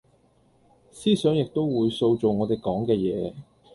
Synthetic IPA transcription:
siː˥sœː˨˥ŋjɪ˨k̚t̪o˥wwuː˨˧jso˧wt͡so˨wŋɔː˨˧t̪e˨jkɔː˨˥ŋkɛː˧jɛː˨˧

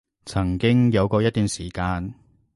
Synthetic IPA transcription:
t͡sʰɐ˨˩ŋkɪ˥ŋjɐ˨˧wkɔː˧jɐ˥t̪̚ːyː˨nsiː˨˩kaː˧n

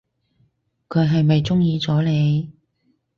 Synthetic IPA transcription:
kʰɵ˨˧ɥɦɐ˨jmɐ˨jt͡sʊ˥ŋjiː˨˧t͡sɔː˨˥le˨˧j

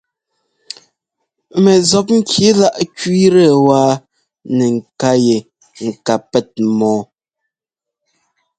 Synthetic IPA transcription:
mɛ˨zɔ˨p̬̚ŋ̩˦kʰi˨˦la˦ʔkɥi˦ɾɛ˦˨waː˦ | nɛ˨ŋ̩˨ka˦je˨ | ŋ̩˨ka˨pɛ˦˨t̚mɔː˨˦

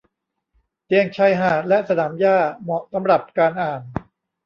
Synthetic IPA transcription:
t̪i˧əŋt͡ɕʰa˦˥˩jɦaː˨˩lɛ˦˥ʔsa˧naː˩˦mjaː˥˩mɔ˨˩sa˩˦mɾa˨˩p̚kaː˧nʔaː˨˩n

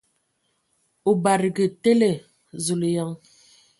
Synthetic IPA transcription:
o˨ba˨ɾɡə˨te˦le˨ | zu˨ljɔ˦ŋ

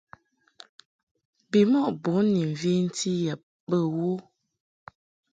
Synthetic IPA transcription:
bi˨mɔ˦ʔbo˨˦ni˨ɱ˨vi˦n̩˦tʰi˦jə˨ | bə˦˨wo˦

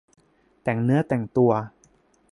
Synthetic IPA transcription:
t̪ɛ˨˩ŋnɯ˦˥ɐt̪ɛ˨˩ŋt̪u˧ɐ

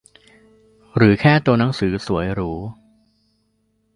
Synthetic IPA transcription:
ɾɯː˩˦kʰɛː˥˩t̪u˧əna˩˦˥ŋsɯː˩˦su˨˩˦əjɾuː˦˥

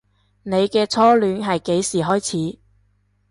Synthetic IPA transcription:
ne˨˧jkɛː˧t͡sʰɔː˥lyː˨˥nɦɐ˨jke˨˥jsiː˨ɦɔː˥jt͡sʰiː˨˥

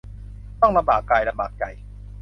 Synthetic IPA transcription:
t̪ɔ˥˩ŋla˧baː˨˩kːaː˧˩jla˧baː˨˩k̚t͡ɕa̰˨˩j

